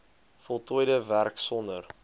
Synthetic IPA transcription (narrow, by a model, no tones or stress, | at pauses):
fɔlˠtujdəværksɔndər